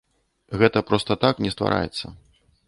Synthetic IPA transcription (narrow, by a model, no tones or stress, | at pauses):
ɣɛt̪ɐpɾɔst̪ɐt̪aknʲɛst̪va̰ɾa̰jɛ̰t̪sːɐ